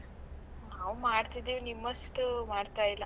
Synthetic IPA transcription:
awmaɽt̪id̪ewniməst̪əmaɽt̪ajla

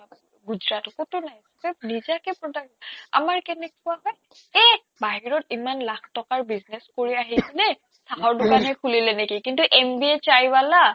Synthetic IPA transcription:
ɡuzɹatɔkotʊnajsɛpɛnizakɛpɹɔdaɹia̰maɹkɛnɛkʊaɦɔj | ɛ | baɦiɹɔtimanlakʰtɔkaɹbizneskoɹiaɦisɛnɛ | stʰaɦɔɹdʊkanɦɛkʰulilɛnekikintuʔembiɛt͡ʃajbala

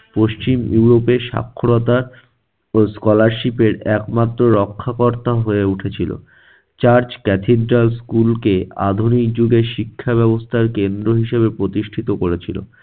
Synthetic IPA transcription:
poʃt͡ɕimjuɾopeʃa̰kʰːoɾot̪a | skɔlaɾʃipeɾɛkmat̪ːɾoɾɔkʰːakoɾt̪aɦoeuʈʰet͡ɕʰilo̰ | t͡ɕaɾd͡ʑkɛt̪ʰeɖɾalskulkea̰d̪ʱunik̚d͡ʑuɡeʃikʰːaβɛbost̪ʰaɾkend̪ɾoɦiʃeβepɾot̪iʃʈʰit̪okoɾet͡ɕʰilo̰

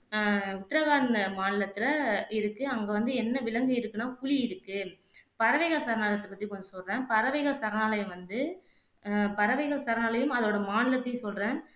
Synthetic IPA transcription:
ʊt̪ːɪɾɐɣaːnɐmaːnɪlɐt̪ːɪɾɐɪɾɯkːɯɐŋɡeːʋɐnd̪ɯɛnːɐʋɪlɐŋɡɯɪɾɯkːɯnaːkʊliɪɾɯkːɯ | pɐɾɐʋɐɪɣɐsɐɾɐnaːlɐt̪ːɐpɐt̪ːikɔnd̪ɯsɔlrẽːnpɐɾɐʋɛɪɣɐsɐɾɐnaːlɐjɯmʋɐnd̪ɯ | pɐɾɐʋɐɪɣɐsɐɾɐnaːlɐjɯmɐðoːɽɐmaːnɪlɐt̪ːɐsɔlrẽːn

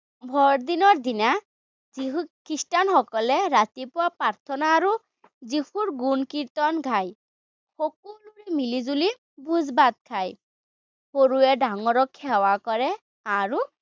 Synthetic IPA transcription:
bʱɔɹd̪inɔɹd̪ina | ziɦukistanxɔkɔlɛɹatipʊwapaɹt̪ʰɔnaːɹu | zihuɹɡunkiɹtɔnɡʱaj | xɔk̚uluɹimilizuli | bʱuzbat̪̚kʰaj | xoɹuɛdaŋɔɹɔkʰːɛwakɔɹɛ | aɹu

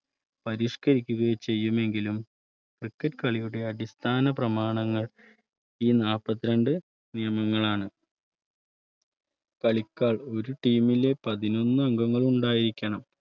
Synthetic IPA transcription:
pɐɾiːʂkɐɾikʲːuɣɐjt͡ɕe̞jːume̞ŋɡilum | krɨkːɐtkɐɭijuɽe̞ɐdist̪ʰaːnɐp̬rɐmaːɳɐŋːɐɭ | iːnaːpːɐt̪ːiɾɐɳɖɨ | nijɐmɐŋːɐɭaːɳɨ | kɐɭikʲːaːɭo̞ɾuʈiːmile̞pɐðino̞nːɨɐŋɡɐŋːɐɭuɳɖaːjiɾikʲːɐɳɐm

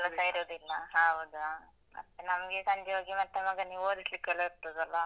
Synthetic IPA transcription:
kɐlɐsaiɾoːd̪ilːɐɦaːɦod̪uaː | mɐ̰t̪ːenɐmɐɡesɐɲd͡ʒeoːɡimɐt̪ːemɐɡɐniːʋoːd̪islikːɐɭeiɾt̪ːoːd̪ɐlːa

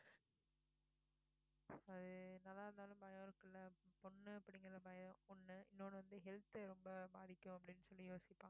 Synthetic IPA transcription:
ɐðɯnɐlːaːɾɯnd̪aːlɯ̃mbɐjɐ̃ːɾɯkːɪlːɐpɔnːɯpːɐɽɪŋɡɐlːɐbɐjð̃ɔnːɯɪnːoːɽɯʋɐnd̪ɯɦɛlt̪ɾɔmbɐbaːðɪkʲːʊ̃ɐp̬ːɐɽɪnːɯsɔlːijoːsɪpːaːŋɡɐ

